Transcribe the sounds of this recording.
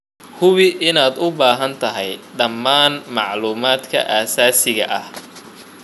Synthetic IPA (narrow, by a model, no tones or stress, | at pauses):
hʊβɪʔɪnaːd̪ʊbaːɦɐnt̪ʰɐɦɛjɖɐmːaːnmɑʕluːmaːd̪kʰɐ̰ʔaːsaːsɪɣɐʔɐh